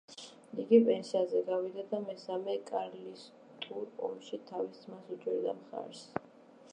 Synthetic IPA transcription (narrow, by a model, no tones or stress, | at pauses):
iɡipʼɛnsiazɛɡavid̪ad̪amɛsamɛkʼaɾlis | t̪ʼuɾɔ̰mʃit̪ʰavist̪sʰʼmasut͡ʃʼwiɾd̪amχa̰ɾs